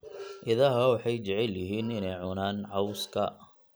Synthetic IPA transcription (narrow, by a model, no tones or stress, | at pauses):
ʔɪðɐɦɐwɑħɑjt͡ʃɛʕɛljɪɦiːnɪnɛjʕʊnaːnʕɑwskʰɐ̰